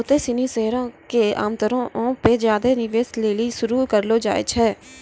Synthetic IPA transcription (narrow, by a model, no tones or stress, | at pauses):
ʊt̪eːsɪniːseɦɾõːkeːa̰ːmt̪əɾõːʔõːped͡ʒjaːd̪eːnɪʋeːsleːliːsʊɾuːkəɾloːd͡ʒa̰ːḛt͡ʃʰɛː